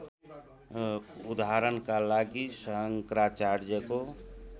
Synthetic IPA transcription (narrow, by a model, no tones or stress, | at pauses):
ud̪aɦaɾənkalaɡisəɦəŋkɾat͡ʃaɾd͡ʒeko